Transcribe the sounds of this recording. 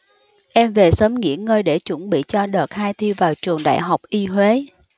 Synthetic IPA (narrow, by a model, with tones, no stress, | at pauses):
ʔɛ˧mve˨˩səː˨˦mŋḭ˧˥ənŋəː˧jɗe˧˩t͡ɕə˧˩nɓḭ˧˨t͡ɕɔ˧ɗəː˨˩t̚haː˧jt̪ʰi˧vaː˨˩wt͡ɕɨ˨˩əŋɗa̰ː˧˨jɦa˨˩wk͡p̚ʔi˧hwe˨˦